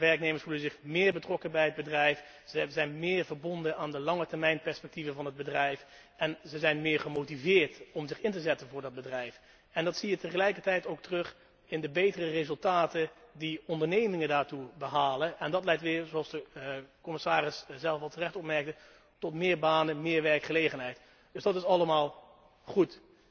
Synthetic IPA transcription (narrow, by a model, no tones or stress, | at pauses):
ʋɛɹk̚nejməɹsfulənzɪχmɪːɹbətrɔkənbɛjɦəd̚bədrɛjf | zɛjnmɪːɹvəɹbɔndənaːndəlɑŋətɛɹmɛjnpɛɹspɛk̚tivənvɑnɦəd̚bədrɛjf | ɛnzəzɛjnmɪːɹχəmowtivɪːɹtɔmzɪχɪntəzɛtənvʊːɹdɑd̚bədrɛjf | ɛndɑtsijətəχəlɛjkəɹtɛjtowk̚tərɵχ | ɪndəbejtərərezɵlˠtaːtəndiɔndəɹnejmɪŋədaːɹtubəɦaːlənɛndɑtlɛjtʋɪːɹzoɑlˠsdəkɔmɪsaːrɪszɛlˠfɑlˠtərɛχtɔpmɛɹk̚tə | tɔtmɪːɹbaːnəmɪːɹʋɛɹkχəlejχənɦɛjt | d̥ɵsdɑtɪsɑləmaːlˠ | χut